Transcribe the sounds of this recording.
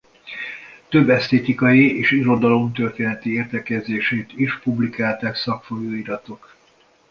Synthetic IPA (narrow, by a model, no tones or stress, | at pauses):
t̪ø̞bːɛst̪eːt̪ikɒjieːʃiɾo̞d̪ɒlo̞mt̪ørt̪eːnɛt̪ieːrt̪ɛkɛzeːʃeːt̪iʃpublikaːlt̪aːksɒkfojoːiɾɒt̪o̞k